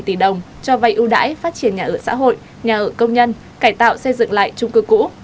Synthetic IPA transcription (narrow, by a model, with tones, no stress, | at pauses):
jt̪i˧˩ɗə˨˩wŋ͡m | t͡ɕɔ˧va˧jʔu˧ɗa̰ː˧˥jfaː˦˥t̚t͡ɕi˧˩ənɲaː˨˩ʔəː˧˩sa̰ː˧˥ɦo̰˧˨j | ɲaː˨˩ʔəː˧˩kə˧wŋ͡mɲə˧n | kaː˧˩jt̪a̰ː˧˨wsə˧jzɨ̰˧˨ŋla̰ː˧˨jt͡ɕʊ˧ŋ͡mkɨ˧kṵ˧˥